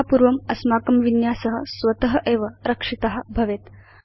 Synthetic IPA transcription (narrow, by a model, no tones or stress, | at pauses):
apuːɾʋɐmɐsmaːkɐmʋinjaːsɐɦəsʋɐt̪ɐɦɐʔeːʋɐɾɐkʂit̪ɐɦə̆bʱɐʋeːt̪